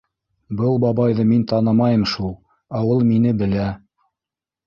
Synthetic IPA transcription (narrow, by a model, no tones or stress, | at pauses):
bɤlˠbɑβɑjðɤmint̪ɑnɤmɑjɤmʃulˠ | ɑwɤlˠminɘbɘ̆læ